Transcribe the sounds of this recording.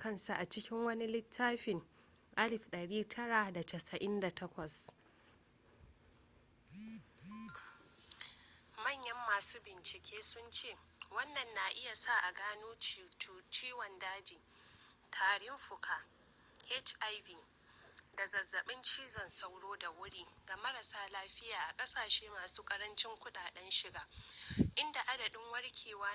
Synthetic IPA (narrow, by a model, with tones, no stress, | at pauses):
kɐ˦˨nsa˨ʔa˨t͡ʃɪ˦kʲɪ˦ŋwɐ˦ni˦lɪ˦tʰːaː˦ɸɪ˨ŋ | ʔa˦lɪ˨ɸɗɐ˨ɽiː˦tʰɐ˦ɽa˨da˨tɐ˨sɐ˨ʔɪ˦nda˨tʰɐ˦kʷɐ˨s | mɐ˦˨ɲjɐ˦mːaː˨suː˦bɪ˨nt͡ʃɪ˨kʲeː˦sʊ˦nt͡ʃeː˦˨ | wɐ˦nːɐ˨nːa˨ʔɪ˦ja˨sa˦˨ʔa˨ɡaː˦nuː˦t͡ʃu˨t͡ʃiː˦wɐ˨ndaː˦d͡ʒiː˨ | tʰaː˨ɽɪ˦mɸʊ˨kʰaː˦ | hɛ˦t͡ʃʔa˦jbiː˨ | da˨zɐ˨zːɐ˨ɓɪ˦nt͡ʃiː˦zɐ˨nsa˦wɽoː˦da˨wʊ˦ɽiː˦ɡa˨mɐ˦ɾɐ˨saː˨laː˦ɸɪ˦jaː˨ʔa˨kʼɐ˦saː˨ʃeː˦maː˨suː˦kʼɐ˦ɾɐ˦nt͡ʃɪ˦ŋkʷʊ˦ɗaː˨ɗɛ˦nʃɪ˦ɡaː˦ʔɪ˦nda˨ʔa˦dɐ˨ɗɪ˦ŋwɐ˦ɽkʲʰeː˨waː˦